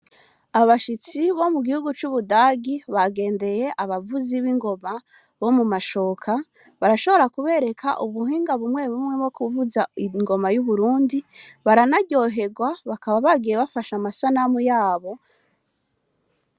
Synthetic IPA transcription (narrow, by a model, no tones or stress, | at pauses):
aβaʃit͡siβo̞muɡihuɡut͡ʃuβudaɡiβaɡe̞ːnde̞je̞ʔaβavuziβiŋɡo̞ma | βo̞mumaʃo̞ːkʰa | βaɾaʃo̞βo̞ɾakuβe̞ɾe̞kʰaʔuβuɦiːŋɡaβumŋe̞βumŋe̞mŋo̞kuvuzaiŋɡo̞majuβuɾuːndiβaɾanaɟo̞ɦe̞ɡwaβakaβaβaɡijeβafaʃamasanamujaːβo̞